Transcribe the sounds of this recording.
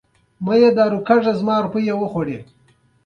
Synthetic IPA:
majed̪aːɾukaʐazmɑːɾupəjewəxwaɽe

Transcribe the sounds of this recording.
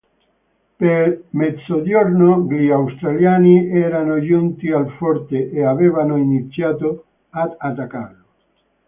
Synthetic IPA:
peɾmet̪sodoɾnoɡliawst̪ɾaljaniɛɾanoʒunt̪ialfɔɾt̪eʔeaβeβanoinit̪sjat̪o | ad̪at̪aka̰rlo

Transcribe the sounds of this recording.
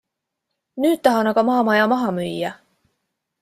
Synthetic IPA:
nyːt̪̚t̪ɑɦɑnɑkɡɑmɑːmɑjɑmɑɦɑmyjːæ

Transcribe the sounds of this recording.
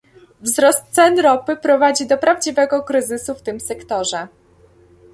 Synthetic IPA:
vzɾɔst̪sɛnɾɔpɘpɾɔvad͡ʑid̪ɔpɾavd͡ʑivɛɡɔkɾɘzɘsuft̪ɘmsɛkt̪ɔʐɛ

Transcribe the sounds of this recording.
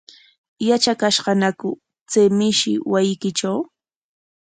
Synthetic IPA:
jat͡ʃakaʃɢɑnakʊ | t͡semɪʃɪ̰wajɪkɪʈ͡ʂaw

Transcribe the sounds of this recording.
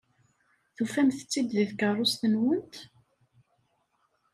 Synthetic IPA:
θufæmθə̥t͡sːid̪ðiðkərˤːost̪ənwənt̪

